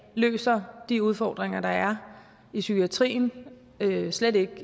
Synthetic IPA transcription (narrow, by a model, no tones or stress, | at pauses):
lø̰ːsɐd̥iuð̞ˠfɒ̰ːd̥ʁeŋɐd̥ɑ̈æɐ | isykʰiæt͡sʰʁḭːn | øsledɾe̝ɡ̥